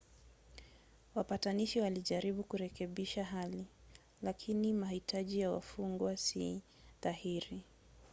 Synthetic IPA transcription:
wapataniʃiwaliʄaɾiɓukuɾɛkɛɓiʃaɦali | lakʰinimahitaʄijawa̰fuŋɡwasi | ðahiɾi

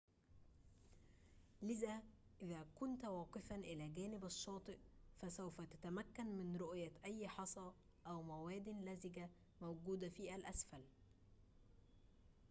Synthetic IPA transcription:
lɪðæːʔɪðæːkʊnt̪wɑːqɨfænʔɪlæːɡæːnɪbɑʃːɑːt̪ˤɨʔfæsæwfæt̪æ̥t̪æmækːænmɪnɾoʔjæʔæjːħɑsˤɑ | ʔæwmæwæːd̪ɪnlæzɪɡæ | mæwɡuːd̪æfiːʔælʔæsfæl

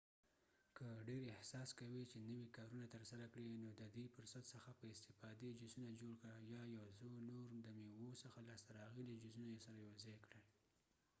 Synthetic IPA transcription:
kəɖeɾɪhsɑskawit͡ʃenəwikɑɾunat̪əɾsaɾakɽinod̪əd̪ipəɾsat̪səxapəɪst̪ɪfɑd̪ed͡ʒizunad͡ʒoɽkɽajɑjawzonoɾd̪əmewosəxalɑst̪aɾɑɣilad͡ʒizunajsaɾajazajkɽal

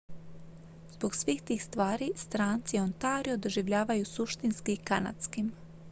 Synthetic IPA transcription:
zboɡsʋiːxt̪iːxst̪ʋaːɾist̪ɾaːnt̪sio̞nt̪aːɾiod̪oʒiʋʎaːʋajusuʃt̪inskiːkana̰t̪skim

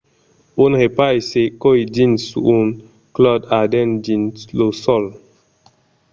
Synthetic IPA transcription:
unhepaisekoid͡ʒĩnsuun | klɔdadɛ̃nd͡ʒĩnslosɔl

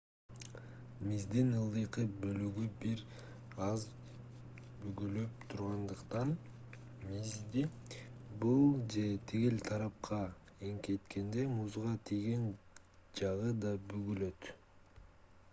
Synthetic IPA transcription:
mizd̪inɯlˠd̪ɯjqɯbø̞lyɡybiɾ | ɑz | byɡyløp̚t̪ʰuɾʁɑnd̪ɯqt̪ɑn | mizd̪i | bulˠd͡ʒe̞t̪ʰiɡilt̪ʰɑɾɑp̚qʰɑ | eŋke̞t̪ke̞nd̪e̞muzʁɑt̪ʰiɡen | d͡ʒɑʁɯd̪ɑbyɡylø̞t̪

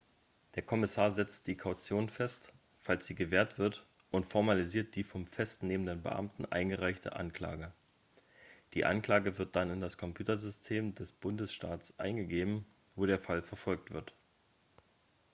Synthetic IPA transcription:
d̥eːɐkʰɔmɪsaːɐzɛt͡std̥iːkʰaʊt͡sjoːnfɛst | falsz̥iːɡəveːɐtv̥ɪɐt | ʔʊntfɔɐmaliziːɐt̚d̥iːfɔmfɛstneːməndənbə̰ʔa̰mtn̩ʔa̰ɪnɡəʁaɪçtʰə̰ʔa̰nkl̥a̰ːɡə | d̥iːʔa̰nkl̥aːɡəvɪɐt̚d̥anɪndaskʰɔmpjuːtɐzʏstʰeːmdɛsb̥ʊndəsʃtaːtsʔa̰ɪnɡəɡeːbm̩ | voːɾeːɐfalfɛɐfɔlk̚tv̥ɪɐt

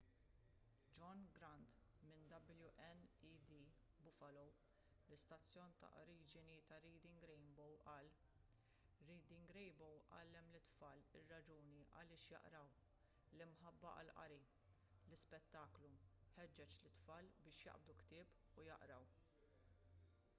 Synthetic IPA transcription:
d͡ʒɔnɡɾɐnt̪mɪnd̪ɐbljuʔɛnid̪i | bʊfɐlɔw | lɪst̪ɐt͡sːjɔːnt̪ɐ̰ʔɾiːd͡ʒɪnit̪ɐɾiːd̪ɪŋɡɾɛjnbɔwʔɐːl | ɾiːd̪ɪŋɡɾɛjbɔwʔɐːlːɛmlɪt̪fɐːlɪrːɐd͡ʒuːniʔɐ̰lɪːʃjɐ̰ʔɾɐw | lɪmħɐbːɐʔɐ̰lʔɐ̰ɾi | lɪspɛt̪ːɐːkluħɛd͡ʒːɛt͡ʃlɪt̪fɐːlbɪːʃjɐ̰ʔb̚d̪ukt̪ɪːp | ʊjɐ̰ʔɾɐw

